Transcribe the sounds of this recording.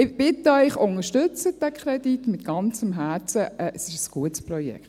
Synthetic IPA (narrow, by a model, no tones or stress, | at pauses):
ɪbɪt̪ːəœʏχʊŋəʃtʏt͡səd̥ɛkʰɾɛd̥̪itmɪt̪ɡ̥ɑnt͡səmɦæːt͡səʔɛʔəsɪʃəsɡ̥uətspɾɔjɛ̰kχt